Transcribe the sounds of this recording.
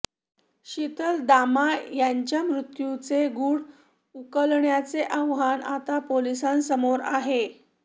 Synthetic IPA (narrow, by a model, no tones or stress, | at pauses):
ɕit̪əld̪amajaɲt͡ɕjamɾut̪jut͡seɡuːɽ | ukəlɳjat͡seʔəʋɦanat̪apolisansəmoɾa̰ɦe